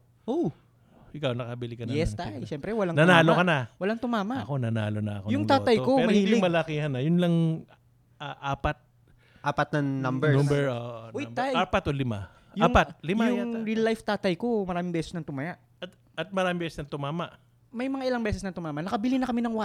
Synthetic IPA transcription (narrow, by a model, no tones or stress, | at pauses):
ʔow | hɪkawnɐkɐbɪlɪkɐnjɛst̪ajʃɛmpɾɛwɐlaŋnɐnaːlokɐnɐwɐlaŋt̪ʊmaːmɐʔɐkonɐna̰ːlonɐ̰ɐ̰kojʊŋtt̪aːɐjkomɐhɪniːlɪmɐlɐkiːhɐnɐjʊnlɐŋ | aʔaːpɐt̪̚ | ʔaːpɐt̪̚nɐŋnɐmbɛʊmbɛɹoʔʔʔʔojt̪ajaːpɐt̪ʔolɪma̰ | ʔjaːŋpat̪̚lɪmajʊɾilajft̪aːt̪ɐjko̞mɐɾaːmɪŋbɛːsɛsnɐŋt̪ʊmɐjaʔ | ɐt̪ | ɐt̪̚mɐɾaːmɪ̃ŋbɛːsɛsnɐŋt̪ʊmaːmaʔ | mɐjmɐŋaʔɪlaŋbɛːsɛsnɐŋt̪ʊmaːmɐʔnɐkɐbɪlɪnɐkɐmɪnɐŋwa